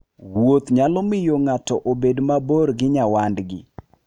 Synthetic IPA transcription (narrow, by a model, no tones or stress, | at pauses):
wot̪ɲalɔmɪjoŋatɔʔobedmaboɾɡɪɲawandɡɪ̰